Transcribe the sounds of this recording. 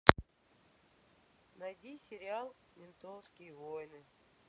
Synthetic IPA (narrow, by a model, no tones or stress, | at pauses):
nɐjdʲisʲɪɾʲɪalˠ | lʲɪnt̪onskʲɪjvojnɨ